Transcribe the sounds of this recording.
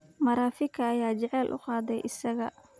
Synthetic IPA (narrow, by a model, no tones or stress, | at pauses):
mɐɾaːfɪkʰɐːjaːt͡ʃɛʕɛːlʔʊ̰qɑːd̪ɛjʔɪsɐɣɐ̰